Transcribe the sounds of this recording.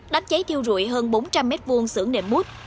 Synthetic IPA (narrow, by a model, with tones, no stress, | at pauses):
ɗaː˨˦mt͡ɕə˨˦jt̪ʰi˧əwzṵ˧˨jɦəː˧nɓo˨˦nt͡ɕa˧mːɛ˦˥t̚vu˧əŋsɨ̰˧˩əŋnḛ˧˩mːu˦˥t̚